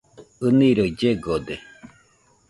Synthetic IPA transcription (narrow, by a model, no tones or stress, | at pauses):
ɯniɾoid͡ʒeɡod̪e